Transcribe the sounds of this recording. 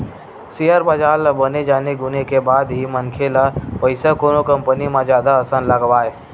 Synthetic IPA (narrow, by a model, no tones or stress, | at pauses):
sijəɾbəd͡ʒaːlabəned͡ʒaːneɡʊnekebaːd̪ɦimənkʰelapəɪsakoːnokə̃mpənimãd͡ʒjaːd̪aəsənləɡʋaːeː